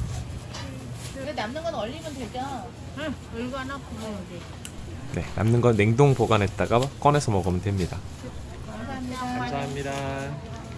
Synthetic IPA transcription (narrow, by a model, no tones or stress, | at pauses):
enamnɯnɡʌnʌʎːimjʌndweɭt͡ɕ͈a | ɯɭɡanapu | ne̞na̰mnɯnɡʌnːe̞ŋdoŋpoɡanɦe̞t̚t͈aɡak͈ʌne̞sʰʌmʌɡɯmɯndwe̞mɲida | kamsʰaamɲiasʰaɦmɲida